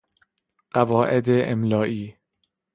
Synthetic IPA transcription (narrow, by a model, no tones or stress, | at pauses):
ɢ̥ævɒːʔed̪eʔḛmlɒːʔiː